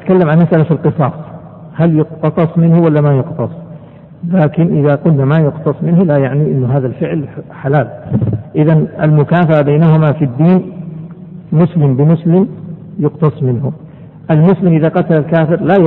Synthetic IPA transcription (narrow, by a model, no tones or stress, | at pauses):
t̪kalːamʕanmasʔalafilqɨsˤɑːsˤ | haljʊqt̪ɑsˤɑsˤmɪnhʊwalːamajʊqt̪ɑsˤ | laːkɪnʔɪðaqʊlnamajʊqt̪ɑsˤmɪnhlajaʕniʔɪnːʊɦaːðalfɪʕlħalaːlʔɪðana̰lmʊkaːfaʔabajnaɦʊmafid̪ːiːn | mʊslɪmbɪmʊslɪmjʊqt̪ɑsˤmɪnhʊ | ʔalmʊslɪmʔɪðaqɑt̪alalkaːfɪɾla